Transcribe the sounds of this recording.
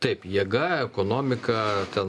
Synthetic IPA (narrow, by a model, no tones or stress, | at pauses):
t̪ɐɪpjiɛɡɐɛkoːnoːmʲɪkɐt̪ʲɛn